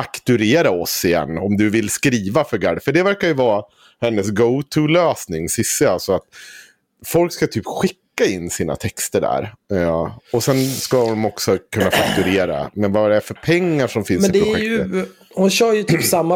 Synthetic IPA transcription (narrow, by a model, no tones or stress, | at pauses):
fakt̪ɵɾeːɾaɔsːɪjɛ̰nːɔmd̪ɵvɪlskɾiːvafœɾɡæːɖfœɖɛvæɾkaɾjɵvɑː | hɛnːəs̬ɡoʊt̪ʰʉløːsnɪŋsɪsːɪalsɔat̪ | fɔlkskat̪ʰyːpɧɪkːaɪnːsiːna̰t̪ʰɛkst̪əɖæ̰ɾ | ɔsɛnskahʊnmɔksɔkʰɵnːafakt̪ɵɾeːɾa̰mɛnvaɾɛfœɾpʰɛŋːaʂɔmfɪnsmɛɪpd̪ɛɾʊɧɛkjɵ | hʊnɕœːɾjɵt̪ʰyːpsamːa